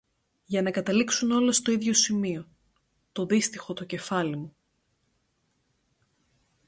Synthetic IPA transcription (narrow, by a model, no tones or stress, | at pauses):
jɐnɐkɐt̪ɐliksuno̞le̞st̪o̞iðʝo̞simio̞ | t̪o̞ðist̪ixo̞t̪oce̞fɐlimu